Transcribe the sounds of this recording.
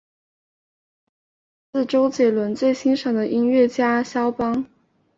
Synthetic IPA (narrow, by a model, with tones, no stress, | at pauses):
sɹ̩˥˩ʈ͡ʂo˥ʊt͡ɕjɛ˨˩lwə˧˥nt͡swe˥˩ɪɕi˥nʂɤ˨˩ŋd̪ə˦ʔi˥nɥɛ˥˩t͡ɕja˥ɕjɑ˥ʊpɑ˥ŋ